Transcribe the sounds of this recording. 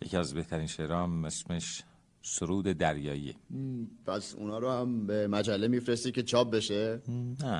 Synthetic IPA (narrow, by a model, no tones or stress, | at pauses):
jecʰiæzbe̞ht̪ʰæɾiːnʃeʔɾɒːmːesmeʃ | soɾuːd̪ed̪æɾjɒːiḛpʰæsṵnɒːɾohæmbemæd͡ʒælːe̞mifɾest̪id̪̚kʰʲce̞t͡ʃʰɒːp̚be̞ʃenæ